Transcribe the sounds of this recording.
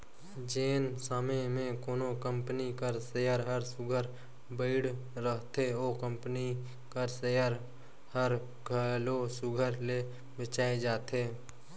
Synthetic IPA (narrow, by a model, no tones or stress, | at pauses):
d͡ʒeːnsaːmemẽkoːnokə̃mpnikəɾsəjaɾɦəɾsʊɡʱəɾ | bəɪɽ | ɾəɦt̪ʰeoːkə̃mpəni | kəɾsəjaɾ | həɾ | ɡʱəlosʊɡʱəɾle | bət͡ʃaːed͡ʒaːt̪eː